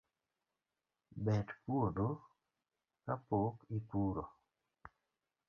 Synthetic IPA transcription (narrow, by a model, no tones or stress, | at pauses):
bɛdpuodo | kapokɪpuɾo